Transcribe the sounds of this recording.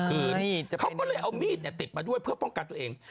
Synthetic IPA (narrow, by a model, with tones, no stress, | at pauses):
kʰɯː˧t͡ɕkʰa˦˥kɔː˥˩lɤː˧jʔa˧wmiː˥˩t̪̚ni˧˩t̪i˨˩p̪̚maː˧du˥˩əjpʰɯ˥˩əpɔ˥˩ŋka˧nt̪u˧˩ə˧ʔeː˧ŋ